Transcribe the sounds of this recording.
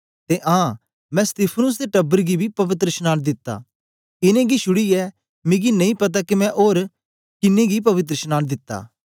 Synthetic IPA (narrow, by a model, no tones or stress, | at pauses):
t̪eʔãː | mɛ̃st̪ɪpʰənʊs̬d̪eʈɐbːəɾɡibʱipɐʋɪt̪ɾəʃnaːnd̪ɪt̪ːa̰ | ɪnẽɡiʃʊɽiɛ | mɪ̃ɡinɐ̃ĩpɐt̪̬akimɛ̃ʔoːɾ | kɪnẽɡip̬ɐʋɪt̪̬ɾəʃnaːnd̪ɪt̪ːa̰ː